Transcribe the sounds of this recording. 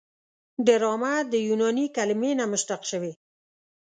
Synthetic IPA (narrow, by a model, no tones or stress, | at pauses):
ɖəɾɑmad̪əjunɑnikalɪmenamʊʃt̪aqʃəwe